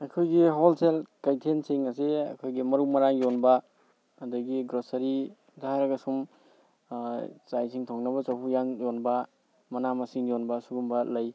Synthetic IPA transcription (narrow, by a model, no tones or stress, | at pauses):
ɐkʰojɡiɦolselkajtʰenseŋɐs̬eɐ̰kʰojɡimɐɾumɐɾaŋjonbɐː | dɐɡiɡɾosɐɾi | daaɾɐɡɐsum | t͡ʃajsʰiŋtʰoŋnɐbɐt͡ʃawɦujaŋjonbɐ | mɐnamɐsiŋjonbɐsuɡumbɐlɐj